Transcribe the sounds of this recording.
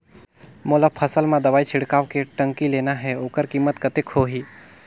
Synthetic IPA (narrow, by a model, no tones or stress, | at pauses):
moːləbpʰəsəlmãd̪ɐʋaːit͡ʃʰɪɽkaːʋkeʈə̃ŋkileːnaɦɛoːkəɾkiːmːət̪kɐt̪ekhoːɦiː